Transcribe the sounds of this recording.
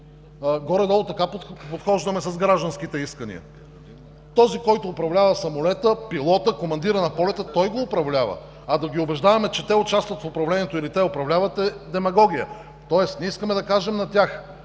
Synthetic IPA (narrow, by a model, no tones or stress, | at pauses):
ɡɔɾɛd̪ɔlˠot̪ɐkappot̪xɔʒd̪ɐmɛsɐzɡɾaʒd̪ɐnsk̟it̪ɛiskənḭə̰ | t̪ɔzikɔjt̪oːpɾɐvlʲavɐsɐmʊlɛt̪əpilˠɔt̪əkomɐnd̪iɾənɐpɔlɛt̪ət̪ɔjɡoːpɾɐvlʲavə̰ | ɐd̪ɐɡʲiʊbɛʒd̪avɐmɛt͡ʃɛt̪ɛot͡ʃast̪vɐt̪fopɾɐvlɛniɛt̪oilit̪ɛopɾɐvlʲavɐt̪ɛd̪ɛmɐɡɔɡ̟ijə̰ | t̪ɔɛst̪nʲɛiskəmɛd̪ɐkaʒɛmnɐt̪ʲjax